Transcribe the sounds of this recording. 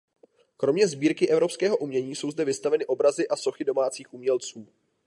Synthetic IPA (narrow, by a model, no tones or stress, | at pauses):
kɾo̞mɲɛzbiːɾkɪʔɛvɾo̞pskɛːɦo̞ʔumɲɛɲiːso̞wzdɛvɪst̪avɛnɪʔo̞bɾazɪʔaso̞xɪdo̞maːt͡siːxʔumɲɛlt͡suː